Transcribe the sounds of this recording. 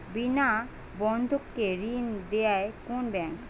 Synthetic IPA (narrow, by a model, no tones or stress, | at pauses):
bina | bɔnd̪ʱokːeɾind̪eaekonbɛŋk